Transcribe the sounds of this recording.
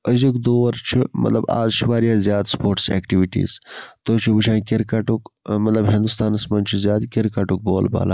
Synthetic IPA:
əzukd̪oːɐɾt͡ʃʰimʔɐ̰t̪lɐba̰ːzʃʰiʋaːɾijaːzjaːd̪spoːɾʈsɛ̰ːkʈiʋiʈḭːzt̪oːt͡ʃʰubuʃãːkeɾkɐʈukmɐt̪lɐbɦĩnd̪ust̪aːnɐsmɐnt͡ʃʰuzʲjaːd̪keɾkaʈuk̚boːlba̰ːla̰ː

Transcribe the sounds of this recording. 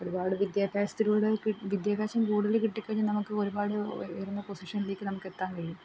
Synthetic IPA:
o̞ɾubaːɽɨʋid̪jaːbʱaːst̪iluːɽekiʋid̪jaːbʱjaːɕɐmkuːɽɐðilkiʈːikʲːɐɲːinɐmukːɨo̞ɾubaːɽɨjrunːɐpo̞siʂɐnile̞ːkʲːɨnɐmukːe̞t̪ːaːnkɐɻijum

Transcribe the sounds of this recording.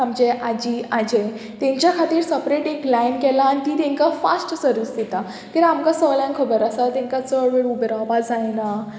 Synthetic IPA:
amd͡ʑeʔad͡ʑiːad͡ʑẽ | t̪ɛ̃ɲt͡ɕjakʰat̪iːɾsəpɾeʈeklajnkɛlaːnit̪iːt̪ẽŋkafa̰sʈsəɾʋist̪it̪a | kit̪amkasəlajnkʰəbəɾəsat̪ẽŋkat͡səɭʋeɽubɾabad͡zajna

